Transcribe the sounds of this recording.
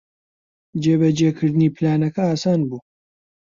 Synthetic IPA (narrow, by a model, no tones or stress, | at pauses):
d͡ʒeːbɐd͡ʒeːkʰɨɾd̪ɨniːplaːnɐkɐaːsaːnbuː